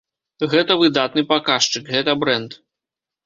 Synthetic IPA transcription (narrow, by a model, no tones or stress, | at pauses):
ɣɛt̪ɐvɨd̪at̪nɨpakaʂt͡ʂɨkɣɛt̪ɐbɾɛnt̪